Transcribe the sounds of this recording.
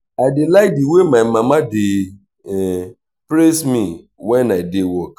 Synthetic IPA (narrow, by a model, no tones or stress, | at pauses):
aɪdɪlaɪk̚diwemaɪmamadɪ | ɛ | pɾesmi | wɛnaɪdewɔk